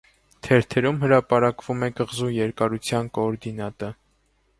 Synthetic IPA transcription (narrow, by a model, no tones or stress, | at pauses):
t̪ʰɛɾt̪ʰɛɾumɦəɾɑpɑɾɑkvumɛkəʁzujɛɾkɑɾut͡sʰjɑnkɔːɾd̪inɑt̪ə